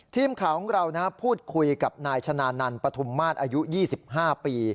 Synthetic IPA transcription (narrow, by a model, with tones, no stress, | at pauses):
t̪ʰiː˥˩mkʰaː˨˩˦wŋɾa˧wna˦˥pʰuː˥˩t̪̚kʰu˧jka˨˩p̚naː˧jt͡ɕʰa˧naː˧na˧npɾa˧t̪ʰu˧mːaː˥˩t̪̚ʔaː˧ju˦˥jiː˥˩si˨˩p̚ɦaː˥˩piː˧